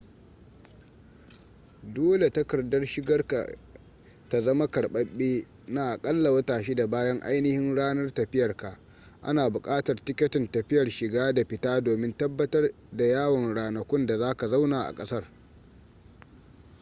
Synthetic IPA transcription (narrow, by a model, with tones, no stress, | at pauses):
doː˦le˨ta˦kɐ˨rdɐ˦rʃɪ˦ɡɐ˦rka̰˨ | ta˨zɐ˦ma˦kɐ˨ɽɓɐ˦ɓːeː˦ | naː˨ʔa˨kʼɐ˦lːa˨wɐ˦taː˨ʃiː˦da˨baː˦jɐ˦ŋʔa̰˦jnɪ˦hɪ˦nɽaː˦nɐ˦rtɐ˨ɸɪ˦jɐ˨rka˨ʔ | ʔa̰˦naː˨bʊ˨kʼaː˦tɐ˨rtɪ˦kʲɐ˦tɪ˨ntɐ˨ɸɪ˦jɐ˨rʃɪ˨ɡaː˦da˨ɸɪ˨taː˦doː˨mɪ˦ntɐ˦bːɐ˦tɐ˦r | da˨jaː˦wɐ˨ŋɽaː˨nɐ˨kʷʊ˦nda˨zaː˦ka˨za˦wnaː˨ʔa̰˨kʼɐ˦sɐ˦r